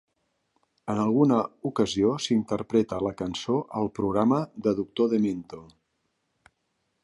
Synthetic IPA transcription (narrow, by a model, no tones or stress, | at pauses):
ənəlˠɣ̞unəukəziosint̪əɾpɾɛt̪ələkənsoʔəlˠpɾuɣɾaməðəðuk̚t̪oðement̪o